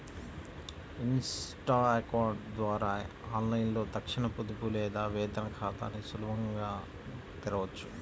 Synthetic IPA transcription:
insʈaːekaːɾɖd̪ʋaːɾaːaːnlɐjnlo̞ːt̪ɐkʂinɐpud̪upulɛːd̪aːʋɛːd̪ɐnɐkʰaːt̪ɐ̰ːnisulubʱɐŋɡaː | t̪iɾɐʋɐt͡ʃːu

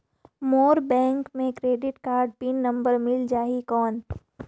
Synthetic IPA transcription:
moːɾbɛ̃ːŋkmẽkɾeːɖɪʈkaːɾɖ̚piːnːɐ̃mbəɾmɪld͡ʒaːɦikɔːn

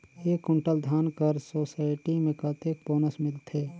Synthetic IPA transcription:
eːkʊɳʈəld̪ʱaːnkəɾsoːsaːɪʈimẽkət̪ek̚boːnəsmɪlt̪ʰeː

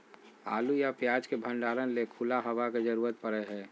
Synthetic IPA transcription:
a̰ːlujapjaːd͡ʒkebʱə̃ɳɖaːɾənlekʰulaɦəʋaked͡ʒəɾuːɾət̪̚pəɾɛɦɛ̃ː

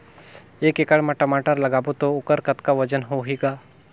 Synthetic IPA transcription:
ekekaɭmaʈəmaʈəɾləɡabot̪oukəɾkət̪kaʋəd͡ʒənɦoɦika

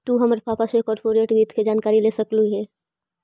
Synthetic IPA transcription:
t̪uɦɐmɾpaːpasekɔːɾpoːɾeːʈbiːt̪ʰked͡ʒaːnkaːɾileːsəkluɦɛː

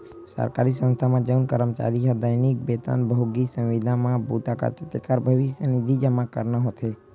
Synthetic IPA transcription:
sə̰ɾkaɾisə̃nst̪ʰamãd͡ʒəwnkəɾəmt͡ʃa̰ɾiɦad̪əjnik̚bet̪a̰nbʱəɡisə̃wʋid̪ʱãmãbut̪akə̰ɾt͡ʃət̪ekaɾbʱəʋiʃjənid̪ʱid͡ʒamãkəɾnaɦot̪ʰe

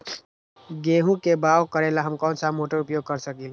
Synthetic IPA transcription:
ɡeɦũkebawkəɾelaɦəmkɔʊnsamoʈəɾupjoɡ̚kəɾsəkil

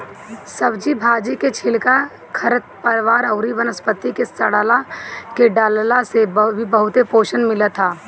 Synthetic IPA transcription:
səbd͡ʒibʱaːd͡ʒiket͡ʃʰɪlka | kʰɐɾət̪̚pəɾʋaːɾɐʊɾiʋənəspət̪ikesəɽaːlakeɖaːllasebʱibɐɦʊt̪epoːʃənmɪlət̪ʰaː

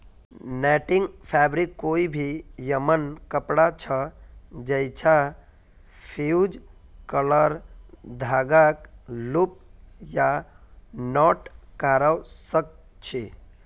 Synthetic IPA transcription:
nɛʈiŋɡpʰɛbɾikːoibʱijəmənkəpɽat͡ʃʰəd͡ʒəjt͡ʃʰa | pʰiud͡ʒ | kələɾd̪ʱaɡaklup̚ja | nɔʈkaɾawsək̚ | t͡ʃʰe

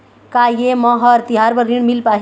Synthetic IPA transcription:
kajemɔɦʌɾt̪iɦaɾpəɾɾiɳmilpaɦ

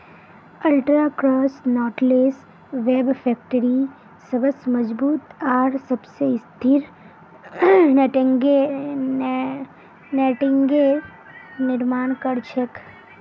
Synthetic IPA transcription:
əlʈɾaːkɾɔːsnɔːʈleːs | ʋeːbfʰɛːk̚ʈəɾi | səbəsməd͡ʒbuːt̪aːɾsɐbsest̪ʰiɾ | nʈŋɡe | neʈɪŋɡe | nɪɾmaːnkəɽt͡ʃʰək

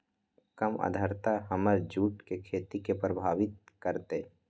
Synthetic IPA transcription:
kəmə̰d̪ʱəɾt̪aɦɐməɾd͡ʒuːʈkekʰeːt̪ikepɾəbʱaːʋɪt̪̚ | kəɾt̪e

